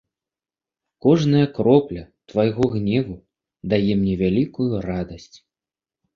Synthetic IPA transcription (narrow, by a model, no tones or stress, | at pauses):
kɔʐnɐjɐkɾɔplʲɐt̪vajɣɔɣnʲɛvu | d̪ajɛmnʲɛvʲalʲikujurad̪ɐsʲt͡sʲ